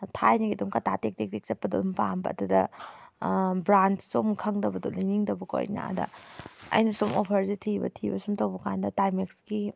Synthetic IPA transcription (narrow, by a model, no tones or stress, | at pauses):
tʰajniɡidumkɐtʰatek̚tek̚tek̚sɐt̚pːɐdṵumpambɐ̰ːdudɐ | bɾantsomkʰɐŋdɐbɐdulajniŋdɐbɐkʰo̰jna̰dɐ̰ɐ̰jnɐsumopʰɐɾzitʰibɐ̰tʰibɐsumtɐwbɐkandɐtajmekski